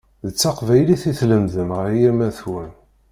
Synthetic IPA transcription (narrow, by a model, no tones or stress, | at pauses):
ðət͡sːɑqvæjliθiθləmðəmʁəɾjiɾmæθwən